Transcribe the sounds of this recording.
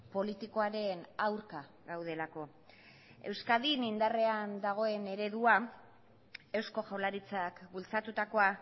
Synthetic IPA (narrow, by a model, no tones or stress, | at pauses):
po̞lit̪iko̞aɾe̞nawɾka | ɣawð̞e̞lako̞ | e̞wskaðinind̪are̞and̪aɣ̞o̞e̞ne̞ɾe̞ðua | e̞wsko̞ʝawlaɾit͡sakbult͡sat̪ut̪ako̞a